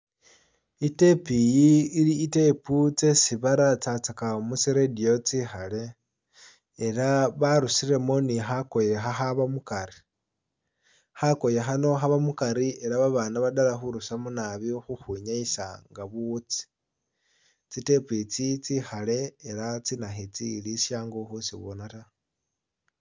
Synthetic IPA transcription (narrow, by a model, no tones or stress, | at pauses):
ite̞pijiːliːte̞put͡se̞siβaɾat͡sat͡sakamusiɾedio̞t͡sixale̞ | ɾaβaɾusiɾe̞mo̞nixako̞je̞xaxaβamukaɾi | xako̞je̞xano̞xaβamukaɾie̞ɾaβaβanaβadalaxuɾusamunaβixuxuɲaisaŋɡaβut͡si̥ | t͡site̞pit͡sit͡sixale̞ːɾat͡sinaxit͡silisjaːŋɡoxusiβonata